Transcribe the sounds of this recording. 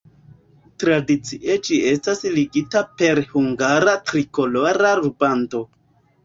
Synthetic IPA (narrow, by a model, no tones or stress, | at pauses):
tɾadit͡siʔed͡ʒie̞stasliɡitape̞ɾhuŋɡaɾatɾiko̞loɾaɾubanto̞